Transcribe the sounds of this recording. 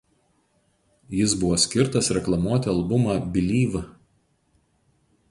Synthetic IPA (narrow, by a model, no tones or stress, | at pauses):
jɪs̬bʊʋoːsʲkʲɪɾt̪ɐsɾʲɛklˠɐmuɔt̪ʲɪɐlˠbʊmɑːbʲɪlʲiːʋɐ